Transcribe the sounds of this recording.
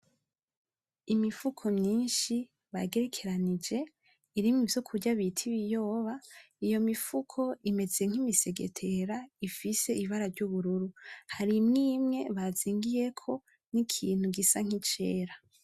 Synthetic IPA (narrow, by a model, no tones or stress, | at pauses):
imifukʰo̞mɲiːnʃi | βaɡe̞ɾe̞kʰe̞ɾanid͡ʒe̞ | iɾimŋivjo̞kʰuɾɟaβitʰiβijo̞ːβa | ijo̞mifukʰo̞ime̞d͡zeeŋ̥imise̞ɡe̞̰tʰe̞ɾaifise̞iβaɾaɾɟuβuɾuɾuhaɾimŋiːmŋe̞βaziːŋɡije̞kʰo̞ | nikʰiːn̥huɡisaŋ̥it͡ʃe̞ːɾa